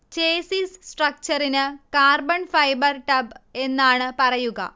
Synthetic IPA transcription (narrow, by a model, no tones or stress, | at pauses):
t͡ɕeːsissʈrɐk̚t͡ɕɐrinɨkaːrbɐnfɐjbɐrʈɐbe̞nːaːɳɨpɐrɐjuɣɐ̰